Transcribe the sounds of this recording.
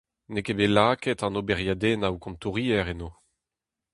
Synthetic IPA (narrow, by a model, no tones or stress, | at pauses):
nekebelaːkɛtɑ̃nobɛʁjad̪eːnawukɔ̃mt̪uʁiːɛʁenoː